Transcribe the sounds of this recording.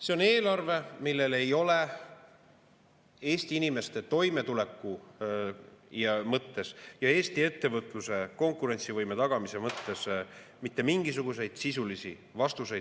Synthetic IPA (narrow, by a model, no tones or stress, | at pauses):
se̞o̞ne̞ːlɑrve̞milːe̞le̞jo̞le̞ | e̞ːst̪iinime̞st̪e̞t̪o̞jme̞t̪ule̞kːˑu | jɑmɤt̪ːe̞sjɑe̞ːst̪ie̞t̪ːe̞vɤt̪ˑluse̞ko̞ŋkːˑuɾe̞nʲt̪sivɤjme̞t̪ɑɡ̥ɑmise̞mɤt̪ːe̞s | mit̪ːe̞miŋɡ̥isuɡ̥us̬e̞jd̪̥sisulisi | vɑst̪use̞j̪̥